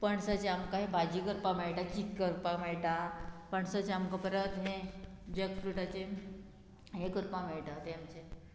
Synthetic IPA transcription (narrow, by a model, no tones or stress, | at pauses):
pəɳsət͡ɕeamkaɦẽbʱad͡ʑikəɾpameɭʈakiəɾpameɭʈapəɳsət͡ɕeamkəpəɾət̪ɦẽd͡ʑekfɾuʈat͡se | ɦẽkəɾpameɭʈat̪eamt͡se